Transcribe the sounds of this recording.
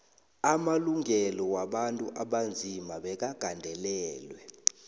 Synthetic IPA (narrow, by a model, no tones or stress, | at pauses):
amaluŋɛlɔwaɓantʼṵʔaɓand͡zʱimaɓɛk̬aɡ̥ʱandʱɛlɛːlwɛ